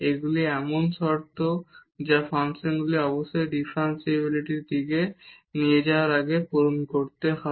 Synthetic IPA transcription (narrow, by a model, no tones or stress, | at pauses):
eɡuliɛmonʃɔɾt̪ʰod͡ʑafansenɡuliɔboʃːojɖifʰɾansibiliʈiɾd̪iɡenied͡ʑaoaɾaɡepoɾonkoɾt̪eɦɔ